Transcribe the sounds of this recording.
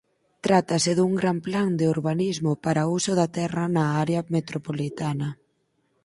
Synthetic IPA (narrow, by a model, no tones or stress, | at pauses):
t̪ɾat̪ɐsɪðuŋɡɾampland̪euɾβanizmʊpaɾausʊðɐt̪ɛrɐnɐaɾeɐmet̪ɾopolit̪anɐ